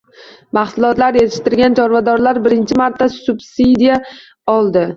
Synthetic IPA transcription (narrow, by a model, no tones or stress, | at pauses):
mɑχsʊlˠɒt̪laɾjet̪ʰɪ̥ʃt̪ɪɾɡʲant͡ʃʰɒɾvad̪ɒɾlaɾbɪɾɪnt͡ʃʰɪmaɾt̪ʰːasʊbsid̪ija | ɒlˠd̪ɪ